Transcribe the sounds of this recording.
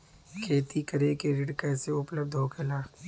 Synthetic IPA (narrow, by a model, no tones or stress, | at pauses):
kʰeːt̪ikɐɾekeɾɪɖkɛːseʊpləb̚d̪ʱɦoːkelaː